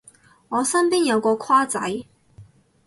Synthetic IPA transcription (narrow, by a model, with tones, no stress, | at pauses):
ŋɔː˨˧sɐ˥mpiː˥njɐ˨˧wkɔː˧kʰwaː˥t͡sɐ̰˨˥j